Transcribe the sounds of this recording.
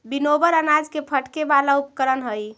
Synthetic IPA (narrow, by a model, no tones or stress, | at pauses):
binobəɾənad͡ʒkepʰəʈkebalaupkəɾənɦəj